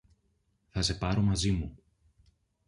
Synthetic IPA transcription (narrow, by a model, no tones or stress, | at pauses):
θɐse̞pɐɾo̞mɐzimu